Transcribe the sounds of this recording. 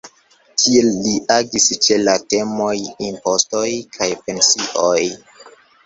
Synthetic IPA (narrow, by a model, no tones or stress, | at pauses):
tʰielːiʔaɡist͡ʃe̞late̞mo̞jimpo̞stojkʰajpe̞nsiʔoj